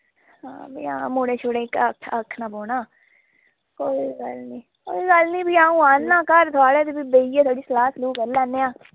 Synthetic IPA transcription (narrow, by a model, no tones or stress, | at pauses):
ɦãːbiːã̰ːmũːɽeːt͡ʃʰʊɽẽːɪkəkʰəkʰːnaːboːnaː | koːiːɡəlniː | ko̰ːiːɡəlnĩːbiːãːũːaːnːãːkəɾt̪ʰʊaːɽeːt̪eːbiːbeːiːeːt̪ʰwaːɽiːslaːsluːkəɾlɛːnːeːãː